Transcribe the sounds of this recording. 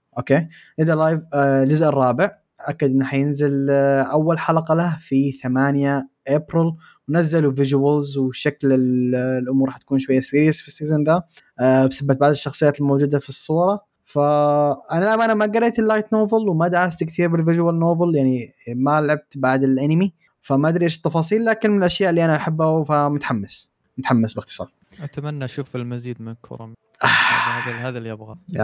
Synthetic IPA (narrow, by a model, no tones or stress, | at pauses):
ʔoːkeːnɪd̪alaːjvld͡ʒʊzʔɪrˤːɑːbɪʕ | ʔakːad̪ʔɪnːħajɪnzɪlʔawːalħalɑqɑlafiθamaːnjaʔeːbɾɪl | wnazːaluvɪʒwalzwʃaklɪllʔʊmuːɾˤħat̪akuːnʃwajːasiːɾjasfisːiːzand̪absabːat̪̚baʕd̪ɪʃːɑxsˤɨjaːt̪ɪlmoːd͡ʒuːd̪afisˤːuːɾˤɑ | faʔanalʕamʔanamaɡaɾˤːeːt̪ɪlːajt̪noːvɨlwmad̪ʕast̪kt̪iːɾbɪlvɪd͡ʒwalnoːvɨljaʕnimalʕab̚t̪baʕd̪ɪlʔanɪmi | famaʔad̪ɾiʔeːʃɪ̥t̪ːɑfɑːsˤiːlːaːkɪnmɪnɪlʔaʃjaːʔɪlːiʔanaʔaħabːawfamʊt̪ħamːas | mʊt̪ħamːasbɪxt̪ɨ̥sˤɑ̰ːl | ʔat̪amanːaʃuːfɪlmaziːd̪mɪnkʰʊ̰ɾˤɑ̰mʔaahaːðalːiʔabɣaa̰